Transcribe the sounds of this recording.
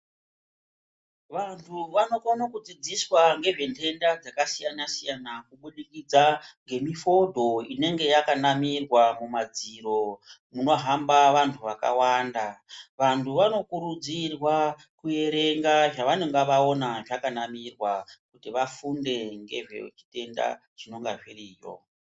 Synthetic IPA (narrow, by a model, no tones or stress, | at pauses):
ʋantʰuʋano̞konokud͡zid͡ziswaŋɡe̞ʐe̞ntʰe̞ndad͡zakasijanasijanakuɓuɗikid͡zaŋɡe̞mifo̞dʱo̞ine̞ŋɡe̞jakanamirwamumad͡ziɾo̞muno̞ɦambaʋantʰuʋaka̰waːndaʋantʰuʋano̞kuɾud͡zirwa | kuje̞ɾe̞ŋɡaʐaʋaneŋɡaʋaonaʐakanamirwakutiʋafunde̞ŋɡe̞̰ʐḛt͡ʃi̥te̞nda̰ | t͡ʃino̞ŋɡaʐiriːjo̰